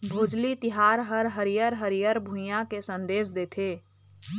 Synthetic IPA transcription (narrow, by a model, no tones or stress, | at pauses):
bʱoːd͡ʒlit̪ɪɦaːɾɦəɾɦəɾijəɾɦəɾijəɾbʱũjãkesə̃nd̪eːsd̪eːt̪ʰeː